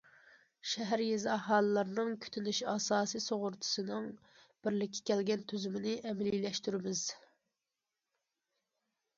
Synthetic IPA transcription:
ʃɛɦæɾjezɑɦɑːlˠɨlˠɑɾnɨŋkʲʰy̥t̪ʰynyʃɑsɑːsijsoʁʊɾt̪ʰʊ̥sɨnɨŋ | b̥ɪɾlɪkʲʰːɛ̥kʲʰɛlɡʲɛnt̪ʰyzymɪnɪʔɛmɛlilɛʃt̪yɾɪmɪz̥

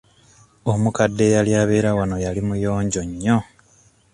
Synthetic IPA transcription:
omukadːe̞jaljaːβeːɾawano̞jalimujo̞ːɲɟo̞ɲːo̞

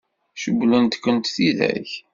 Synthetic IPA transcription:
ʃəblənt̪kːənt̪θiðæ̰ç

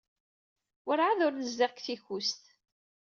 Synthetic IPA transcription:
ʊɾʕaðʊɾləzːaʁkθiçust̪

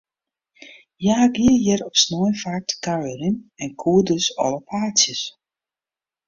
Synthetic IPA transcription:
jaːɡiəjɛɾɔpsnɔjnfatkaɹəɾinɛnkʰuːədøsɔ̰lˠəpʰaːsjəs

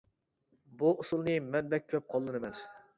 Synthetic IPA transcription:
buusulˠnɨmɛnbɛk̚ʲʰøp̚qʰɑlˠːɨnɨmɛn

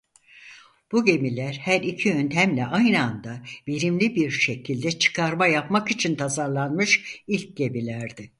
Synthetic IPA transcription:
b̥uɟe̞milʲæɾhæɾicʰiø̞nt̪ʰæmlʲɛʔajnɯand̪abiɾimlʲibiɾʃe̞cʰilʲd̪ɛt͡ʃʰɯ̥kʰaɾmajapmakit͡ʃʰint̪ʰazaɾlˠanmɯʃilʲc̚ɟe̞bilʲæɾd̪ɪ

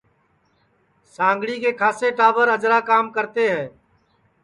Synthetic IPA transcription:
sãːŋɡɽikekʰaːseʈaːʋəɾəd͡ʒɾakaːmkəɾt̪eɦɛ̃ː

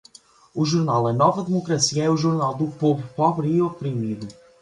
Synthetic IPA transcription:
uʒuɾnalˠɐnɔvɐðɨmukɾɐsiɐɛuʒuɾnalˠd̪upovɾupɔβɾiopɾimiðu

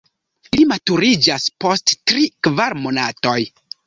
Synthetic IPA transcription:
limatuɾid͡ʒaspo̞sttɾikvaɾmo̞nato̞j

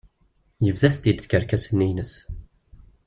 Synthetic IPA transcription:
jəvðæθt̪id̪θkəɾkæsənːinəs

